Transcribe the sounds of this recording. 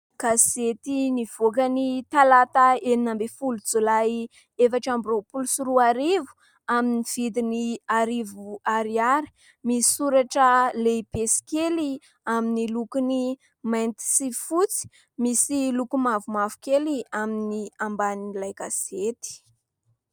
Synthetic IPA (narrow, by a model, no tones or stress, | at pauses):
ɡ̥aset̪iniv̥okanit̪alat̪aeninambefulud͡zolaj | efaʈ͡ʂambropulusuɾuaɾivu̥ | aminiv̥id̪iniaɾivuaɾiaɾi̥ | misi̥suɾaʈ͡ʂəleipesi̥keli | aminilukuni | majnt̪i̥sifut͡si̥ | misilukumavumavu̥keliaminiambaniilajɡaset̪i̥